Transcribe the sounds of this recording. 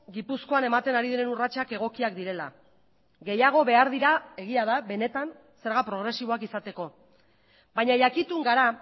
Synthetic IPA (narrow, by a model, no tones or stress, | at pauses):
ɡipusko̞ane̞mat̪e̞naɾiðeɾe̞nurat͡ʃake̞ɣ̞o̞kiakd̪iɾe̞la̰ | ɣe̞jaɣ̞o̞βe̞aɾðiɾae̞ɣ̞iaðaβe̞ne̞t̪an | se̞ɾɣapɾo̞ɣ̞ɾe̞siβ̞o̞akisat̪e̞ko̞ | baɲajakit̪uŋɡaɾa